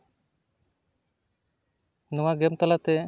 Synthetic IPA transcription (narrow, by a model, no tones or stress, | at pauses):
nɔwaɡɛmt̪ɔlat̪ɛ